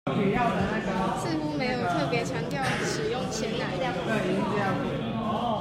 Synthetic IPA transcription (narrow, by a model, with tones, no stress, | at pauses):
pʰi˨˦jɑ˥˩ʊd̪ə˨˩na˥˩ɡə˨sɹ̩˥˧xu˥me˧˥ɪjo˨˩ʊt̪ʰɤ˥˨pjɛ˧˥t͡ɕʰjɑ˧˥ŋt̪jɑ˥˨˩ʊ˧˩ʂɻ̩˨˩jʊ˥˩ŋt͡ɕʰjɛ˧˦˥nla˨˧˥ɪlja˥˩ə˥˩i˧˥˧ə˥˧jɑ˥˩ŋə˨˩